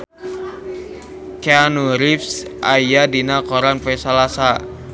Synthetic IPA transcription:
keanuɾifsʔajjadinakɔɾanpɛsalasa

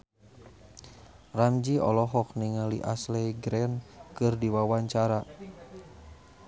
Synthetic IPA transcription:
ramd͡ʒiɔ̰lɔɦɔk̚niŋaliʔaslɛɡɾɛnkɨrdiwawaɲt͡ʃaɾa

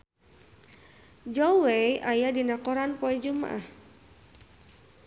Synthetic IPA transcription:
d͡ʒɔwejʔajadinakɔɾanpɔɛd͡ʒuma̰ʔah

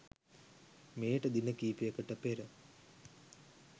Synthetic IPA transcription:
meːʈəd̪inəkiːpijəkəʈɐpeɾə

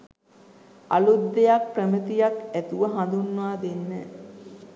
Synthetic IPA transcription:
a̰lud̪ːejak̚prəmət̪ijakæt̪uʋəɦand̪unːaːd̪enːɛ

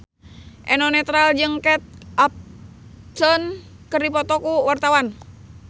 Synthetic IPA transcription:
ʔɛnɔnɛt̪ɾald͡ʒɨŋkɛt̪̚ap̚ | tɔn | kərdipɔt̪ɔkuwart̪awan

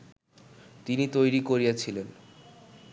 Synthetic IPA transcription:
t̪init̪ojɾikoɾijat͡ɕʰilen

